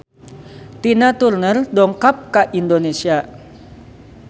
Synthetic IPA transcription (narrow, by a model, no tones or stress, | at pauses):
t̪inat̪urnərdɔŋkap̚kaʔindonesia